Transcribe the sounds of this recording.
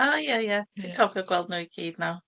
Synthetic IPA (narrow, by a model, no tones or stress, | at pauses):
aːjajad̥ʰikʰɔvjɔɡwɛlˠd̚nuiɡ̥iːd̥naw